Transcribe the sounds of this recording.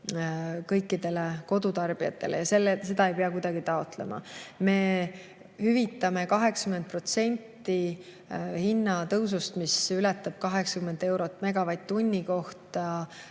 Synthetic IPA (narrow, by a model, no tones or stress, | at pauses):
kɤjkːid̪e̞le̞ko̞d̪̥ut̪ɑrb̥iɑt̪ːˑe̞lḛjɑse̞lːese̞d̪ɑe̞jpeɑkujd̪ɑɡ̥it̪ɑo̞t̪le̞̰mɑ̰me̞ | hyvit̪ːˑɑme̞kɑɦe̞ksɑ̥kyment̪̚pro̞t̪se̞nʲt̪ːi | hinːɑt̪ɤws̬ust̪misylɛt̪ːˑɑb̥̚kɑɦe̞ksɑ̥kymːe̞nd̪̥e̞wɾo̞t̪ːˑmeɡɑvɑjd̪̥̚t̪ːunʲːiko̞ht̪ɑ